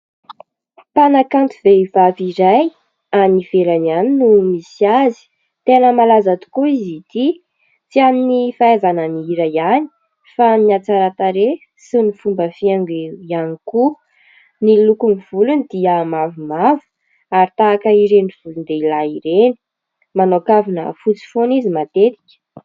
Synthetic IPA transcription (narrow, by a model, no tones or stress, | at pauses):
panakant̪uveivaviɾaj | aniv̥eɾananinumisiazi̥ | t̪enəmalazat̪u̥kuizit̪i | t͡sianinifaazananiiɾajani̥ | famiat͡saɾat̪aɾe | sinifumbəfiaŋɡeianiku | nilukuniv̥ulunid̪̥iəmavumavu̥ | aɾit̪aːkəiɾeniv̥ulund̪eilaiɾeni̥ | manokavinə̰fut͡si̥fonizimat̪et̪i̥kʲə̥